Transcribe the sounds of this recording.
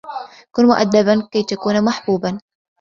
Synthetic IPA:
kʊnmʊʔa̰d̪ːabankajt̪jakuːnmaħbuːban

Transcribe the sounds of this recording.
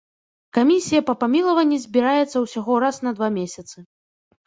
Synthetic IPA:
kamʲisʲijɐpɐpamʲilˠɐvɐnʲːizʲbʲiɾajɛt̪sːɐwsʲaɣɔɾasnɐd̪vamʲesʲɐt̪sɨ

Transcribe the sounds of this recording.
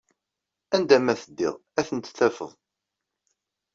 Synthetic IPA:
ænd̪æmæθəd̪ːḭʁæθənt̪θæfə̰ðˤ

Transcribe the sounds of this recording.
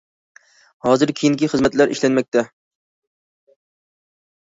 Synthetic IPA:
hɑːzɨɾkʲʰejiŋkʲiχɨzmɛt̪læɾʔḭʃlɛnmɛk̚ʲt̪ɛ

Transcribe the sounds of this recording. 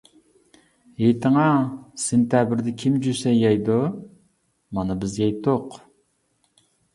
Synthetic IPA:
jet̪ɨŋɑsent̪jɑbɪɾd̪ɛkʲʰimd͡ʒysɛjɑjd̪ʊ | mɑnɨbɪzjɑjt̪ʰoq

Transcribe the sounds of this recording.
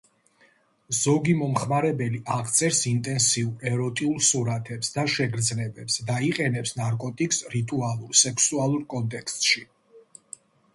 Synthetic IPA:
z̥ɔɡimɔmχmaɾɛbɛliʔaʁt̪sʼɛɾsint̪ʼɛnsiuɾɛɾɔt̪ʼiulˠsuɾat̪ʰɛpsd̪aʃɛɡɾd̪znɛbɛpsd̪aiqʼɛnɛpsnaɾkʼɔt̪ʼikʼsɾit̪ʼualˠuɾsɛkʰsualˠuɾkʼɔnt̪ʼɛkʰst̪ʼʃi

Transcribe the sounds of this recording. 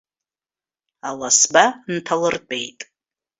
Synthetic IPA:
alasbantʰalɨrt͡pʷʼe̞jtʼ

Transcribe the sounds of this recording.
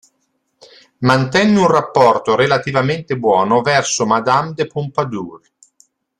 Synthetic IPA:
mant̪ɛnːeunrapːɔrt̪oɾelat̪ivament̪ebwɔːnovɛrsomad̪amd̪epompad̪uːɾ

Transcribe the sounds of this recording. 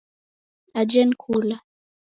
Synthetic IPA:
ad͡ʒɛnkʰula

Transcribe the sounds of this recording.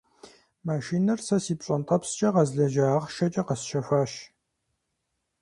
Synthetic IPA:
maːʃiːnɐrsɐsiːpɕʼɐnt̪ʼɐpst͡ʃʼɐqɐzɮɐʒaːʁʃɐt͡ʃʼɐqɐsʃɐfaːʃ

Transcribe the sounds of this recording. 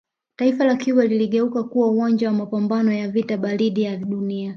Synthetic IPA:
taifalakiwaliliɠɛukakuwauwand͡ʒawamapambanɔjavitaɓaɾiɗijaɗunia

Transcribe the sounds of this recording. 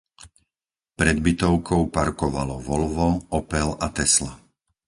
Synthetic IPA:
pɾɛd̪̚bit̪ɔʊkʰɔʊpaɾkɔʋalɔʋɔlʋɔɔpɛlat̪ɛsla

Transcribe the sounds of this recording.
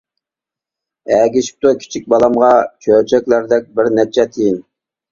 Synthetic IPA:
ɛɡʲiʃi̥p̚t̪ukʲʰi̥t͡ʃʰik̚ʲbɑlˠɑmʁɑt͡ʃʰøɾt͡ʃʰɛkʲlæɾd̪ɛk̚ʲbɪɾnɛt͡ʃʰɛt̪ʰejin

